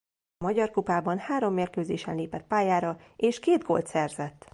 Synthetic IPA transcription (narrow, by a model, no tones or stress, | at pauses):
mɒɟɒrkupaːbɒnhaːɾo̞mːeːrkøːzeːʃɛnleːpɛt̪̚paːjaːɾɒeːʃkeːd̪ɡo̞̰lt̪sɛrzɛt̪ː